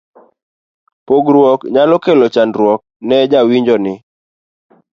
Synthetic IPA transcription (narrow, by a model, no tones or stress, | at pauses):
poɡɾwɔkɲalɔkelot͡ʃandɾwɔk̚nɛd͡ʒawiɲd͡ʒɔnɪ